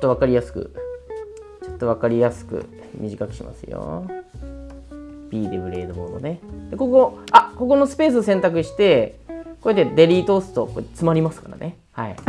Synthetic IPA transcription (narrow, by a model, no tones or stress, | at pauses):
ot̪ːo̞β̞akaɾʲijasɨ̥kɯ̟̰ | t͡ɕo̞t̪ːo̞βakaɾʲijasɨ̥kɯ̟̰ | mʲiʑikakɯ̟̥ɕḭmʔa̰sɨjo̞̰ | bʲiːd̪ebɯ̟ɾe̞̰ːd̪o̞bo̞̰ːd̪o̞ne̞d̪̥e̞ko̞ko̞ako̞k̬o̞no̞sɨ̥pe̞ːs̬ɨosẽ̞nt̪ak̬ɯ̟ɕi̥t̪e̞kojat̪̬ːed̪e̞ɾʲiːt̪o̞ːsɨ̥t̪o̞kot͡sɨmaɾʲimasɨ̥kaɾa̰nʔe | hai